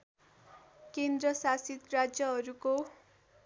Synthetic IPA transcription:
kend̪rʌsasit̪rad͡zjʌɦʌɾuko

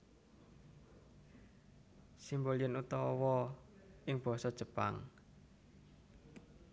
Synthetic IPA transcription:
simboliənut̪ɔwɔʔɪŋb̥ɔ̤sɔd̥ʒ̥ə̤pa̰ŋ

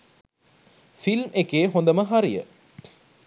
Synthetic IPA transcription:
filmʔekeːɦond̪əməɦaɾijə̰

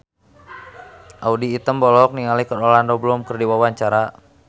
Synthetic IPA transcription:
ʔaudiːt̪əmbɔlɔk̚niŋalikəɾɔlandɔbəlumkərdiwawaɲt͡ʃaɾa

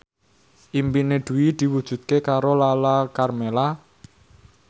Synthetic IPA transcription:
ʔimpined̪̥ṳwid̪̥i̤wud̥ʒ̥ṳt̪̚kekaɾolalakarmela

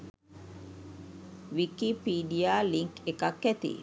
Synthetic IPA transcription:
ʋikipiːɖijaːliŋkekakːɛt̪ḭ

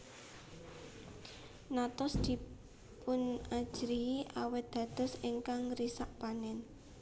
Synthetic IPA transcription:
nat̪ɔsd̪̥i̤ | pʊnḁd͡ʒ̥ɾiiʔawɪt̪̚d̪̥ä̤d̪̥ə̤siŋkaŋrisaʔpanɛn

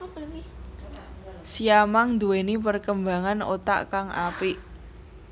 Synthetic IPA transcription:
siamaŋd̪uwenipərkəmba̤ŋano̰t̪a̰ʔkaŋa̰piʔ

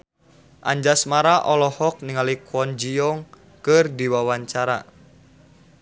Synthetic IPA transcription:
ʔa̰ɲd͡ʒasmaɾaʔɔlɔhɔk̚niŋalikɔnd͡ʒijɔŋ | kɨrdiwawaɲt͡ʃaɾa̰

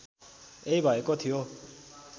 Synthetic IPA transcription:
eibʱajkot̪ʰijo

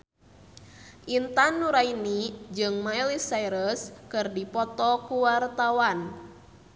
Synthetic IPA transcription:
ʔint̪anːuɾainid͡ʒɨŋmailisaiɾəskɨrdipɔt̪ɔkuwart̪awan

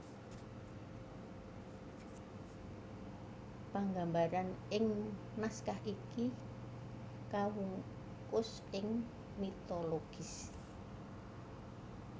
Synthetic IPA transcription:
paŋɡambaɾanɪŋ | naskahʔiki | kawuŋ | kʊs | ɪŋ | mit̪oloɡ̥is

